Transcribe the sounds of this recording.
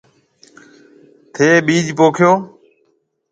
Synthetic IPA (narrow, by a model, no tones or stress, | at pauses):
t̪ʰeːɓiːd͡ʒʱpoːkʰjoː